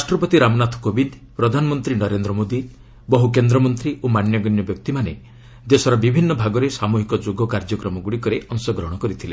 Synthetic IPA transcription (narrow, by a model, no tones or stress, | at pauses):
ɾasʈɾɔpɔt̪iɾamɔnat̪ʰɔ̥kobind̪ | pɾɔd̪ʱanɔmɔnt̪ɾinɔɾend̪ɾɔmod̪i | bɔɦukend̪ɾɔmɔnt̪ɾiʔomanjɔɡɔnjɔbjɔk̚t̪imane | d͡ʒ̪esɔɾɔbibʱinːɔbʱaɡɔɾesamuɦikɔd͡ʒoɡɔkaɾd͡ʒɔkɾɔmɔɡuɽikɔɾeʔɔŋsɔɡɾɔɦɔɽ̃ɔkɔɾit̪ʰile